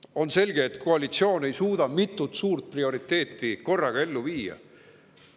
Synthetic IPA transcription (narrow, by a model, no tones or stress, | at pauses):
o̞nse̞lʲɡeːt̪ːkʰo̞ɑlit̪sio̞ːne̞jsuːd̪ɑmit̪ːut̪suːrt̪̚prio̞ɾit̪ːˑe̞ːt̪ːiko̞rːɑɡ̥ɑe̞lːuviːjɑ̰